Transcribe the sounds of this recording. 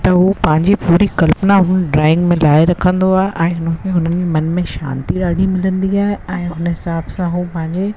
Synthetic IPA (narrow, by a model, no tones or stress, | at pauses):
t̪ɐɦupɐ̃ɦɪ̃ɲd͡ʑipuːɾikɐlpnaɦʊnɖɾaːɪ̃ŋɡmẽlaːɪɾɐkʰə̃nd̪oaːɦeʔɛ̃ːɦʊnkʰẽɦʊnənɪd͡ʑimɐnmẽʃa̰ːnt̪iɗaːɽ̤ʱimɪlə̃nd̪iaːɦeɛ̃ːɦʊnəɦɪsaːbsãɦupɐ̃ɦɪ̃ɲd͡ʑe